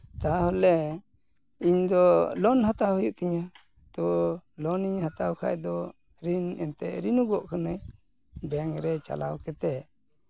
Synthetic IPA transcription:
t̪aɦɔlɛ | iɲd̪ɔlɔnhat̪awhɔjuʔt̪iɲa | t̪ɔlɔniɲhat̪awkʰa̰jd̪ɔ | ɾinɛ̰nt̪ɛʔɾinuɡɔʔkʰanəj | bɛŋɾɛt͡ʃa̰lawkɛt̪ɛ

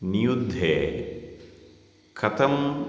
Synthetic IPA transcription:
nijud̪ʱːeː | kʰɐt̪ɐm

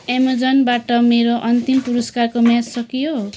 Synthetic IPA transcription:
emod͡zʌnbaʈʌmeɾoʔʌnt̪impuɾʌskarkomjassʌkijo

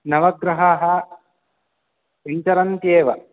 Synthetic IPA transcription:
nɐʋɐɡɾɐɦaːɦɐ | eɲt͡ʃɐɾɐnt̪jeːʋɐ

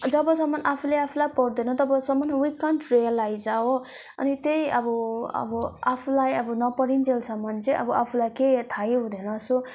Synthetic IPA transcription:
d͡zʌbʌsʌmːʌnʔapʰulejapʰulajpʌɽd̪enʌt̪ʌbʌsʌmːʌnwikʌɳɖrejʌlajd͡zawo | ʌ̰nit̪ejʌbʌʌ̰bʌapʰulajʌbʌnʌpʌɽind͡zelsʰʌmːʌnt͡sʰʌ̃ʔʌ̰bʌapʰulajket̪ʰajeɦũd̪enʌso

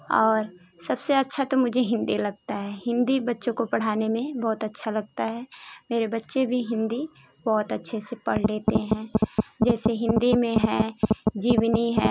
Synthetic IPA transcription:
ɔːɾ | sɐbseɐtːʃʰat̪omʊd͡ʒʱeɦɪ̃nd̪ilɐɡ̚t̪aɦɛːɦɪ̃nd̪ibɐtːʃõkopɐɽ̤aːnemẽbɔːt̪ɐtːʃʰalɐɡ̚t̪aɦɛːmeːɾebɐtːʃebʱiɦɪ̃nd̪i | bɔːt̪ətːʃʰesepɐɽ̤leːt̪eɦɛ̃ːd͡ʒɛːseɦɪ̃nd̪imẽɦɛ̃d͡ʒiːwniɦɛ̃ː

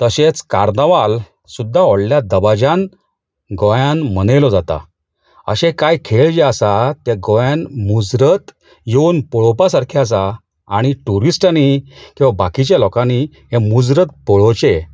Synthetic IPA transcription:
t̪əɕet͡skaɾnəʋal | sud̪ʱːaɔɽljad̪əbad͡ʑãn | ɡɔjãnm̤əñelɔd͡zat̪a̰ | ə̰ɕẽkajkʰeɭd͡ʑeəsat̪ɛɡɔjãnmud͡zɾət̪ | jeunpɔɭɔpasaɾkʰjas̬aː | ɽ̃iʈuɾisʈanikĩwʋabakit͡ɕjalɔkãni | ɦẽmud͡zɾət̪̚pɔɭɔt͡ɕe

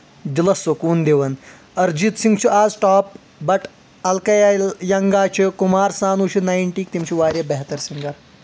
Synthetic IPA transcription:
d̪ilɐsokuːnd̪eʋɐn | ɐɾd͡ʒit̪siŋɡt͡ʃʰuʔaːzʈaːp̚ | bɐʈ | ɐlkɐjajɐŋɡaːt͡ʃʰikumaːɾsaːnuːt͡ʃʰinaːjɳʈiːk̚t̪imt͡ʃʰuʋaːɾʲjɐbɛɦt̪ɐɾsiŋɡɐɾ

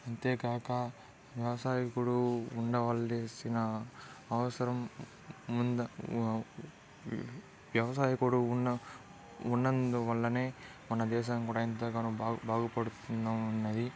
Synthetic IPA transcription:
ɐnt̪jeːkaːkɐ | ʋjɐʋɐsaːjikuɽuuɳɖɐʋɐlːesinɐː | ʋɐsɐɾɐmː | und̪ɐ | ʋjɐʋɐsaːjikuɽuunːɐ | unːɐnd̪uʋɐlːɐneː | mɐnːɐd̪ɛːʃ̬ɐnkuːɽɐint̪ɐkɐnubʱaːɡupɐɽut̪unːɐunːɐd̪i

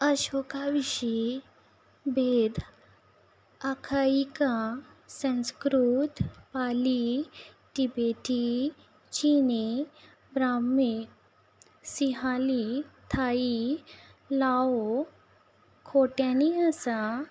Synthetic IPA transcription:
əɕɔkaʋiɕi | bed̪ | akʰaika | sə̃nskɾut̪pali | ʈibeʈi | t͡ɕini | bɾame | siɦalit̪ʰai | lao | kʰoʈjaniəsa

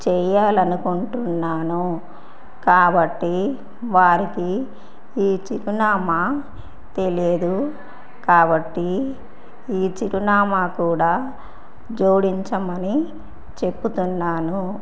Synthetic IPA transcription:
t͡ʃɛːjaːlɐnukuɳʈunːaːnu | kaːbɐʈːi | ʋaːɾikiː | t͡ʃiɾunaːma | t̪e̞liɐd̪u | kaːbɐʈːi | iːt͡ʃiɾunaːmaːkuːɽaː | d͡ʒoːɽiɲt͡ʃɐmɐni | t͡ʃe̞pːut̪unːaːnu

